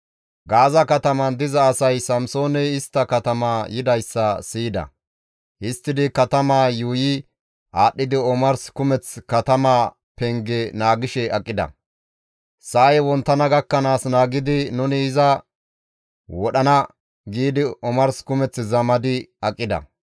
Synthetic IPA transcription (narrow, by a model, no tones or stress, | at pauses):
ɡaːzɐkɐt̪ɐmɐnd̪ɪzɐːsɐjsɐmso̞ːnɛɪst̪ːɐkɐt̪ɐmaːjɪd̪ɐjsːɐsiːd̪ɐ̰ | hɪst̪ːɪd̪ɪkɐt̪ɐmaːjuːjɪ | ʔaːɗːɪd̪ɪɔmɐɾskʊmɛt͡skɐt̪ɐmaː | pɛŋɡɛnaːɡɪʃɛɐkʼːɪd̪ɐ̰ | sɐɐjwɔnt̪ːɐnɐɡɐkːɐnaːsnaːɡɪd̪ɪnʊnɪːzɐ | wɔɗɐnɐ | ɡiːd̪ɪɔmɐɾskʊmɛt͡sːzɐmɐd̪ɪɐkʼːɪd̪ɐ̰